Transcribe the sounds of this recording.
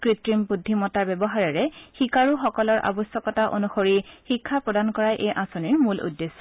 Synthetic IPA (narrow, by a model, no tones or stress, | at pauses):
kɹitɹimpudʱːimɔtaɹbɛbɔɦaɹɛɹɛxikaɹuxɔkɔlɔɹʔa̰bɔsɔkɔtaʔo̰nuxoɹixikʰːapɹɔdankɔɹajʔejʔãsoniɹmulṵdːesɔ